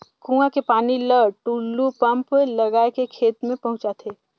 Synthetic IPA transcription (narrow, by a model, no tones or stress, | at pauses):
kũːãkepaːniləʈuːlːupɐ̃mpelɐɡaːekekʰeːt̪mẽpɐɦʊ̃t͡ʃat̪ʰeː